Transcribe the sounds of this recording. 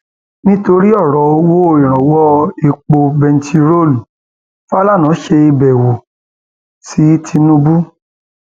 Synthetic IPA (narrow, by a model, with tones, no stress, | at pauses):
nĩ˦to˧ɾi˦ɔ˦˨ɾɔ˨˦o˧˦wo˦o˦ĩ˨ɾ̃ã˨wɔ˦e˧k͡po˧bɛ˧n̩˨˦tʰi˧ɾo˦˨lu˨ | fa˦la˦˨nã˨˦ʃe˧i˧bɛ˨wo˨ | si˨˦tʰi˧nũ˧bu˦